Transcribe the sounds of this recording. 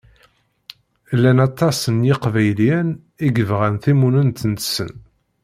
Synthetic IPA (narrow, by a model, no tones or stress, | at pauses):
lːænɑt̪ˤːɑsənjɪqvæjlin | iɡəvʁænθimunənt̪ənt̪sə̰n